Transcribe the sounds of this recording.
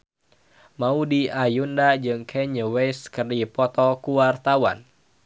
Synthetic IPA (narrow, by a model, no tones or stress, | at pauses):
maudiajundad͡ʒɨŋkʰɛɲəwɛskərdipɔt̪ɔkuwart̪awa̰n